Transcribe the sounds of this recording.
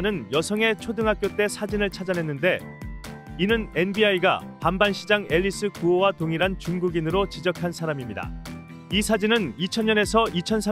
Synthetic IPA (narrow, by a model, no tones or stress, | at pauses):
nɯnjʌsʰʌŋe̞t͡ɕʰodɯŋɦak̚k͈jot͈e̞sʰad͡ʑinɯɭt͡ɕʰad͡ʑanɦe̞nːɯnde̞ | inɯne̞nbiaiɡa̰pambanɕʰid͡ʑaŋe̞ʎːis͈ɯkuowatoŋiɾant͡ɕuŋɡuɡinɯɾot͡ɕid͡ʑʌkʰansʰaɾamimɲida̰ | isʰad͡ʑinɯnit͡ɕʰʌnɲʌne̞sʰʌit͡ɕʰʌnsʰa